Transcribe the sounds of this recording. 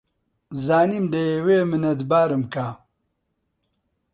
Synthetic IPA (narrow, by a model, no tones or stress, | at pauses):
zaːniːmd̪ɐjeweːmɨnɐd̪baːɾɨmkaː